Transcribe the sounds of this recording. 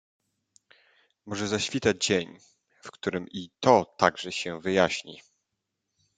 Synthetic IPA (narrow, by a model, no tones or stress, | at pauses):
mɔʐɛzaɕfʲit̪ad͡ʑd͡ʑeɲ | fkt̪uɾɘmit̪ɔt̪aɡʐɛɕɛvɘjaɕɲḭ